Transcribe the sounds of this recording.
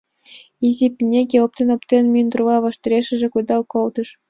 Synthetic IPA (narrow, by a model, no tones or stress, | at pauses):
izʲipʲinʲekʲelˠɤ̆p̚t̪ʲenɤ̆pt̪ʲenʲmʲynd̪rʋɑʋɑʃt̪ʲĕɾʲeʃɘ̆ʒɘ̆kujd̪ɑlˠkolˠd̪ɤ̆ʂ